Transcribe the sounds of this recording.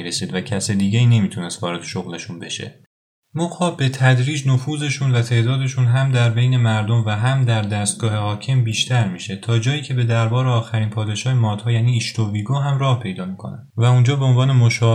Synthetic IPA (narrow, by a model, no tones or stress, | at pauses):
ɾesiːd̪væcʰæsed̪iːɟeiːne̞miːt̪ʰune̞st̪vɒ̰ːɾe̞d̪eʃoɣle̞ʃunbe̞ʃḛ | moxɒːbe̞t̪ʰæd̪ɾiːd͡ʒnofuːze̞ʃuːnvæt̪ʰe̞ːd̪ɒːd̪e̞ʃuːnɦæmd̪æɾbe̞jne̞mæɾd̪o̞mvæɦæmd̪æɾd̪æst̪̚ɡɒːhe̞hɒːcʰe̞mbiːʃt̪ʰæɾmiːʃe̞t̪ʰɒːd͡ʒɒːjiːcʰe̞be̞d̪æɾbɒːɾeɒːxæɾiːnpʰɒːd̪e̞ʃɒːhemɒːd̪̥hɒːjæːniːʃt̪oviːɡoːɦæmrɒːhpʰe̞jd̪ɒːmiːkʰo̞̰næ̰ | væund͡ʒɒːbe̞onvɒːnemoʃɒː